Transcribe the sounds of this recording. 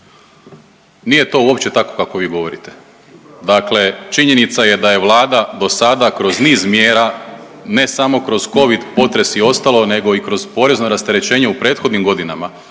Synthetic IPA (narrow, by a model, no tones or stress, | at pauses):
nije̞t̪o̞uo̞pt͡ɕe̞t̪ako̞̥kako̞ʋiːɡo̞ʋo̞ɾit̪e̞̥ | d̪akle̞t͡ʃiɲe̞nit̪saje̞d̪aje̞ʋlˠaːd̪ad̪o̞sad̪akɾo̞zniːzmjeːɾa | ne̞samo̞kɾo̞z̥ko̞ʋid̪po̞t̪ɾe̞sio̞st̪alˠo̞ne̞ɡo̞ikɾo̞zpo̞ɾe̞znoɾast̪e̞ɾe̞t͡ɕe̞ːɲe̞upɾeːt̪xo̞d̪nimɡo̞d̪inama